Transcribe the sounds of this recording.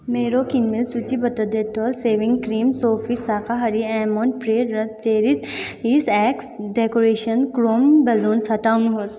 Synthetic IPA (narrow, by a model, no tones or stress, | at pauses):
meːɾokinmilsut͡ʃibɐt̪əd̪et̪ɔːlseːʋɪ̃ŋɡkɾiːmsoːfiʈsaːkaɦɐɾiɛːmõːɳʈ̚pɾeːɾɐt͡ʃeːɾisisɛːksɖeːkoɾeːʃənkɾoːmbɐlũːnsɐʈaːunɦos